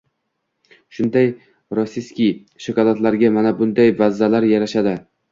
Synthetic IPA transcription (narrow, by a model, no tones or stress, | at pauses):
ʃʊnd̪aj | ɾɒsiskʲij | ʃɪkɒlˠat̪laɾɡʲamanabʊnd̪ajvazːalaɾjaɾaʃad̪ɪ